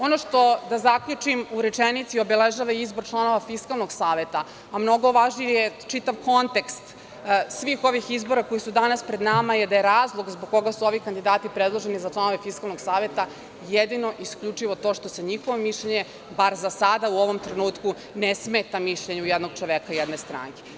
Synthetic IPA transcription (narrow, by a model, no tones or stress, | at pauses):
o̞noʃt̪o̞d̪azakʎut͡ʂimuɾet͡ʃenit̪sio̞beleʒaʋaizboɾt͡ʃlˠano̞ʋafiskalˠnoɡsaːʋe̞t̪a | amno̞ɡo̞ʋaʒnijjet͡ʃit̪aʋko̞nt̪e̞kst̪ | sʋiːxo̞ʋixizbo̞ɾako̞jisud̪anaspɾed̪namajed̪aje̞ɾaːzlˠoɡzboɡ̚kːo̞ɡasuo̞ʋikand̪id̪aːt̪ipɾed̪lˠoʒe̞nizat͡ʃlˠano̞ʋe̞fiskalˠno̞ɡsaːʋe̞t̪a | jed̪ino̞ʔiskʎut͡ʂiʋo̞t̪o̞ːʃt̪o̞seɲixoʋomiʃʎeɲe̞ | baɾzasad̪auo̞ʋo̞mt̪ɾenuːt̪ku | nesmeːt̪amiʃʎeɲujed̪no̞ɡ̚t͡ʃoʋekaujed̪nest̪ɾa̰ŋke̥